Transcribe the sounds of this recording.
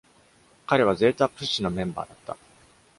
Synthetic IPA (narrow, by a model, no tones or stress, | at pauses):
kaɾe̞β̞aze̞ːt̪apːɯ̟ɕino̞mẽ̞mba̰ːd̪at̪ːa̰